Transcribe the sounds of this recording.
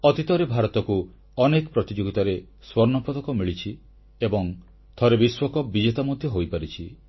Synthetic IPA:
ɔt̪it̪ɔɾebʱaɾɔt̪ɔku | ɔnekɔpɾɔt̪id͡ʒoɡit̪aɾe | swɔɾnɔpɔd̪ɔkɔmiɭit͡ʃʰi | ebɔŋ | t̪ʰɔɾebiswɔkɔbid͡ʒet̪amɔd̪ʱjɔɦojpaɾit͡ʃʰi

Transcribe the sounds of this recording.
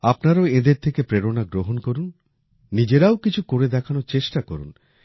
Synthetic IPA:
apnaɾaoed̪eɾt̪ʰekepɾeɾonaɡɾoɦonkoɾunː | id͡ʑeɾaokit͡ɕʰukoɾed̪ɛkʰanot͡ɕeʃʈakoɾṵn

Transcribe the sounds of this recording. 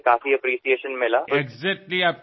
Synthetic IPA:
kaːfiɐpɾiːʃieːʃənmɪlaːeɡzɛk̚ʈliaːp̚

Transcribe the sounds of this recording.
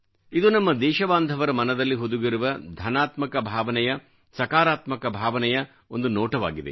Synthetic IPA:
id̪unɐmːɐd̪ɛːʃɐbaːnd̪ʱɐʋɐɾɐmɐnɐd̪ɐlːiɦod̪uɡiɾuʋɐd̪ʱɐnaːt̪mɐkɐbʱaːʋɐnɛjɐ | sɐkaːɾaːt̪mɐkɐbʱaːʋɐnɛjɐ | o̞nd̪unɔːʈɐʋa̰ːɡid̪e

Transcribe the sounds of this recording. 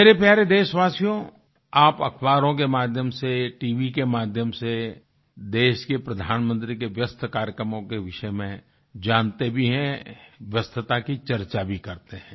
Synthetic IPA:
meːɾepjaːɾed̪eːʃʋaːsijõ | aːpɐkʰwaːɾõk̬emaːd̪ʱjəmseʈiːʋikemaːd̪ʱjəmse | d̪eːʃkepɾɐd̪ʱaːnmə̃nt̪ɾikeʋjəst̪ʰkaːɾjəkɾəmõkeʋɪʃəmẽ | d͡ʒaːnt̪ebʱiɦɛ̃ʋjəst̪ʰət̪akit͡ʃɐɾt͡ʃabʱikɐɾt̪eɦɛ̃ː

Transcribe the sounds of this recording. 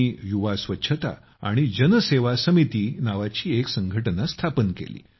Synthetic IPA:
juʋasʋətːɕʰət̪a̰ | a̰ɽ̃id͡ʑənəseʋasəmit̪iːnaʋat͡ɕiːeksəŋɡʱəʈənast̪ʰapənkḛlḭː

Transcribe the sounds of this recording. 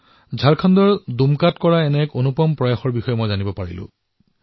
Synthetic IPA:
zʱaɹkʰandɔɹdumkatkɔɹaɛnɛkonupɔmpɹɔjaxɔɹbixɔjɛmɔjzanibɔpaɹḭlʊ̰̃

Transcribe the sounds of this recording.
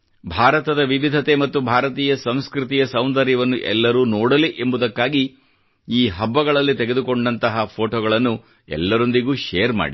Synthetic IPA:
bʱaːɾɐt̪ɐd̪ɐʋiʋid̪ʱɐt̪e̞mɐt̪ːubʱaːɾɐt̪iːjɐsɐmskɾut̪ijɐsɐwnd̪ɐɾjɐʋɐnːuʔɛ̰lːɐɾuːnoːɽɐliʔe̞mbud̪ɐkːaːɡi | iːɦɐbːɐɡɐɭɐlːit̪eɡe̞d̪uko̞ɳɖɐnt̪ɐɦɐpʰoːʈoːɡɐɭɐnːu | ɛ̰lːɐɾo̞nd̪iɡuːʃɛ̰jɐɾma̰ːɽi

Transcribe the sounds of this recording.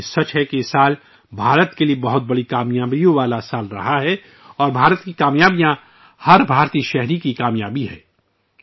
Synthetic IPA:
sɐt͡ʃɦɛkiɪsaːl | bʱaːɾət̪keliebɐɦʊt̪̚bɐɽikaːmjaːbijõʋaːlasaːlɾɐ̰ɦaɦɛ | ɔːɾbʱaːɾət̪kikaːmjaːbijã | hɐɾbʱaːɾt̪iːʃɛɦɾikikaːmjaːbiɦɛ̰ː

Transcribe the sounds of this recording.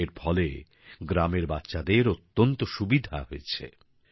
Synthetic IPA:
eɾfʰɔle | ɡɾameɾbatːɕʃad̪eɾot̪ːont̪oʃubid̪ʱaɦojet͡ɕʰḛ

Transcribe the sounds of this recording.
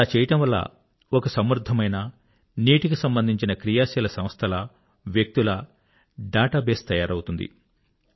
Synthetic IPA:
laːt͡ʃɛːjɐʈɐmʋɐlːɐ̰ | okɐsɐmɾud̪ʱːɐmɐjnɐ | niːʈikisɐmbɐnd̪ʱiɲt͡ʃinɐkɾijaːsilɐsɐmst̪ʰɐlɐ | ʋjɐk̚t̪ulɐ | ɖaːʈaːbeːst̪ɐjaːɾɐwut̪und̪ḭ

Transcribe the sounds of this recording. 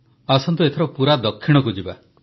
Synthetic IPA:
asɔnt̪uet̪ʰeɾɔpuɾad̪ɔkʰːiɽ̃ɔkud͡ʒiba̰

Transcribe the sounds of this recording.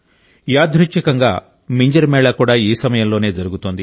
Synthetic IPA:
jaːd̪ʱɾut͡ʃːɐkɐŋɡa̰ː | miɲd͡ʒɐɾmɛːɭaːkuːɽaːiːsɐmɐjɐmlo̞ːne̞ːd͡ʒɐɾuɡut̪ond̪i

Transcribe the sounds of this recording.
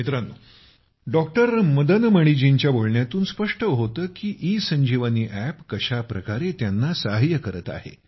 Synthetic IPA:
mit̪ɾənu | ɖɔk̚ʈəɾməd̪ənməɽ̃id͡ʑiɲt͡ɕjaboɭɳjat̪uːnspəʂʈəɦot̪əːkiːʔiːsəɲd͡ʑʱiʋəniːʔæpkəɕapɾəkaɾet̪janːasaɦjəkəɾət̪a̰ɦḛ

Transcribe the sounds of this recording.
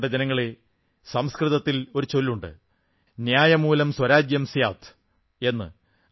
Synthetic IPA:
ɖɐd͡ʑenɐŋːɐɭe̞ | sɐmskrɨðɐt̪ːilo̞ɾut͡ɕo̞lːuɳɖɨ̰ | njaːjɐmuːlɐmswɐɾaːd͡ʑjɐmsjaːt̪ʰ | e̞nːɨ̰

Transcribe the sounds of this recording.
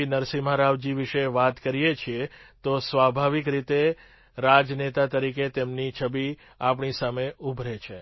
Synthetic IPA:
inəɾsimaɾaʋd͡ʒiʋiʃeʋat̪kəɾijet͡ʃʰiet̪osʋabʱaʋikɾit̪e | ɾad͡ʒnet̪at̪əɾiket̪emnit͡ʃʰəbi | ap̬ɳisameubʱɾet͡ʃʰe

